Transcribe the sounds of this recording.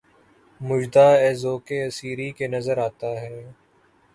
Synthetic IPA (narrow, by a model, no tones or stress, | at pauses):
mʊd͡ʒd̪aːɛːzoːkeɐsiːɾikenɐzəɾaːt̪aɦɛː